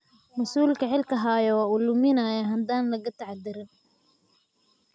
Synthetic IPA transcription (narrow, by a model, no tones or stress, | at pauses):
mɐsuːlkʰɐħɪlkʰɐɦaːjɔwaːulʊmɪnajaɦɐnd̪aːnlɐɣɐt̪ʰɐʕd̪ɪɾɪn